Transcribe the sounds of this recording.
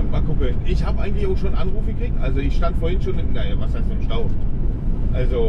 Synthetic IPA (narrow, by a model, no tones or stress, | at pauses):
makʰʊkəʔɪçhaːbəʔaɪɡŋ̩tlɪçaʊxʃoːnʔanʁuːfəɡ̥əkʁ̥ik̚tʔalzoɪçʃtantfoːɐhɪnʃoːnmɪtndavashaɪstɪmʃtaʊf | ʔalzo